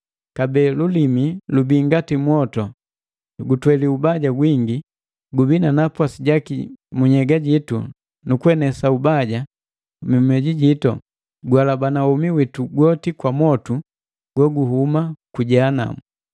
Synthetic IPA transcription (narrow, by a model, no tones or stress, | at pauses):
kabɛːlulimilubiŋɡatimwɔtɔ | ɡutwɛliubaɟaɡwiŋɡi | ɡubinanapwasiɟakimuɲɛɡaɟitṵ | nukuɛnɛsaubaɟa | mimɛɟiɟitɔ̰ | ɡwalabanaumiwituɡɔtikwamwɔtu | ɡ̥wɔɡuɦumakuɟaːna̰mu